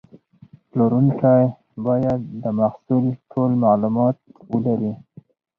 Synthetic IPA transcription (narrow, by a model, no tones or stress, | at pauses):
ploɾunkaj | bɑjad̪ːəmaxsulʈʰolmalumɑt̪̚wəlaɾi